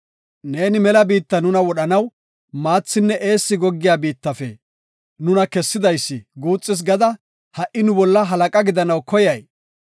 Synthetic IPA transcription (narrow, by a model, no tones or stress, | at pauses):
ne̞ːnɪmɛlɐbiːt̪ːɐnʊnɐwɔɗɐnɐw | maːt͡sːɪnːɛʔe̞ːsːɪɡɔɡːɪjaːbiːt̪ːɐfɛ̰ | nʊnɐkɛsːɪd̪ɐjsːɪɡuːt͡sʼːɪs̬ɡɐd̪ɐ | hɐʔɪnʊbɔlːɐɦɐlɐkʼɐɡɪd̪ɐnɐwkɔjɐj